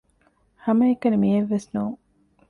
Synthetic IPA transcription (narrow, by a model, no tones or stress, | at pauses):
hɐmɐekːɐnimieʋːesnuːŋ